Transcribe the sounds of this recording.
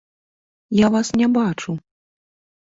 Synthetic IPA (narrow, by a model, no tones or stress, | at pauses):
javasnʲɛbat͡ʂu